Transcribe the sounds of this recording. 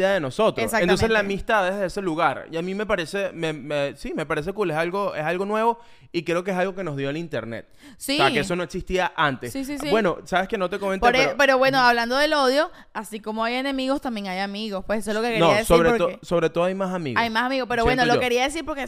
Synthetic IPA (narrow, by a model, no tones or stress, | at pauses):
aðeno̞so̞t̪ɾesaent̪o̞mselamist̪aðeðeese̞luɣaɾiamime̞paɾe̞se̞memesime̞paɾe̞s̬e̞kulesalɡo̞esalɣo̞nwe̞βo̞ | ikɾe̞okeesalɣo̞ke̞no̞zðjo̞elint̪ḛɾnḛt̪̚ | siakees̬o̞no̞eksist̪iaʔant̪esisisbwe̞no̞saβeskenot̪ekomentpeoɾepeɾoβwe̞noaβland̪oðelo̞ðjo̞ | asiko̞moajenẽ̞miɣo̞st̪ambje̞ŋajamiɣospwesesoelokekɾnioaðesoβɾeoɾoso̞βɾet̪oðoajmasamḭɣajmasamiɣopeɾoβwwenolooke̞ɾiaðes̬iɾpoɾke